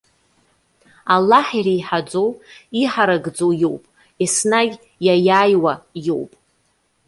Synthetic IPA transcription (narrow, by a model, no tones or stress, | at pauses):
alːaħirajħad͡zowiħaɾaɡd͡zowjo̞wpʼ | isnaɡʲ | jajaːjwajowpʼ